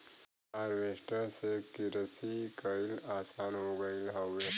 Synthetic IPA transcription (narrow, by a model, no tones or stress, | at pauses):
aːɾʋeːʃʈəsekiɾəsikɐilaːsaːnɦoːɡɐilɦɐwːe